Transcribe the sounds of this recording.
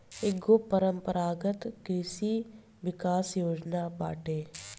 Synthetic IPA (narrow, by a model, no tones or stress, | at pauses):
ɪɡoːpəɾəmpəɾaːɡət̪kɾɪʃi | ʋɪkaːsjoːd͡ʒnaːba̰ːʈeː